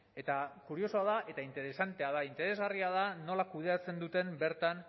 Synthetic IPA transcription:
e̞t̪akuɾio̞so̞aðaʔe̞t̪aint̪e̞ɾe̞sant̪e̞aðaint̪e̞ɾe̞zɣariaðano̞lakuð̞e̞at͡se̞nd̪ut̪e̞mbe̞ɾt̪an

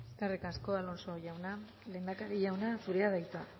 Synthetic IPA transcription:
eskarekasko̞alo̞nso̞ʝawna | le̞ːnd̪akaɾiʝawnasuɾeað̞ajt̪ua

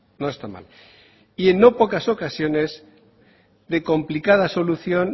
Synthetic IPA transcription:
no̞est̪ama̰l | ie̞nːo̞po̞kaso̞kasjo̞ne̞z | ðe̞kõ̞mplikað̞aso̞luθjo̞n

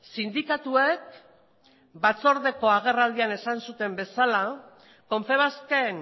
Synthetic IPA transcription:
sind̪ikat̪uek | bat͡so̞ɾð̞e̞ko̞aɣ̞e̞rald̪iane̞sansut̪e̞mbe̞sala | ko̞ɱfe̞β̞aske̞n

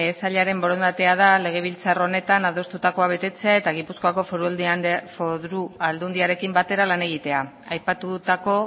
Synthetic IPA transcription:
saʎaɾe̞mbo̞ɾo̞nd̪at̪e̞að̞ale̞ɣ̞e̞β̞ilt͡saro̞ne̞t̪anað̞o̞st̪ut̪ako̞aβ̞e̞t̪e̞t͡se̞ae̞t̪aɣ̞ipuskoako̞foɾfoðɾuald̪und̪iaɾe̞kimbat̪e̞ɾalane̞ɣ̞it̪e̞a | ajpat̪ut̪ako̞

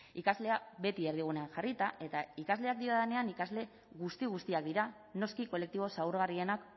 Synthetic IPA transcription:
ikazle̞aβe̞t̪ie̞ɾðiɣ̞une̞anʝarit̪aʔe̞t̪aikazle̞ak̚d̪iɾaðene̞anikazle̞ | ɣust̪iɣ̞ust̪iakd̪iɾa | no̞skiko̞le̞k̚t̪iβ̞o̞sawɾɣarie̞nak

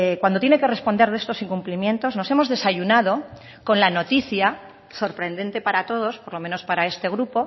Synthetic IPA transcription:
kwand̪ot̪jene̞ke̞respond̪eðest̪osiŋkumplimje̞nt̪o̞zno̞se̞mo̞zðe̞saʝunað̞o̞ | ko̞nlano̞t̪iθja | so̞ɾpɾe̞nd̪e̞nt̪epaɾat̪o̞ð̞o̞spoɾlo̞meno̞spaɾae̞st̪e̞ɣ̞ɾupo̞

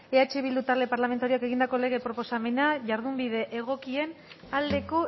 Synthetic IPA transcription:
eat͡ʃeβild̪ut̪aɾle̞paɾlame̞nt̪aɾioake̞ɣ̞ind̪ako̞le̞ɣ̞e̞pɾo̞po̞same̞naʝaɾðumbiðe̞ʔeɣ̞o̞kie̞n | ald̪e̞ko̞

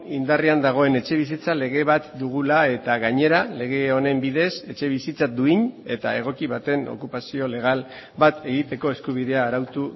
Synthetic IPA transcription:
ind̪ariand̪aɣ̞o̞e̞ne̞t͡ʃe̞βisit͡sale̞ɣ̞e̞βat̪d̪uɣ̞ulae̞t̪aɣaɲe̞ɾale̞ɣ̞e̞o̞ne̞mbiðe̞se̞t͡ʃe̞β̞isit͡sad̪uiɲe̞t̪a̰e̞ɣ̞o̞kiβat̪e̞no̞̰kupasio̞le̞ɣ̞al | bat̪e̞ɣ̞it̪e̞ko̞e̞skuβ̞iðe̞aːɾawt̪u

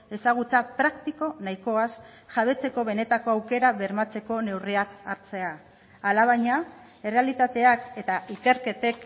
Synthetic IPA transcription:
e̞saɣ̞ut͡sapɾakt̪iko̞naiko̞as | ʝaβ̞e̞t͡se̞ko̞βe̞ne̞t̪ako̞awke̞ɾaβe̞ɾmat͡se̞ko̞ne̞wriakaɾt͡se̞aː | laβ̞ajɲa | e̞re̞alit̪at̪e̞ake̞t̪aʔike̞ɾke̞t̪e̞k

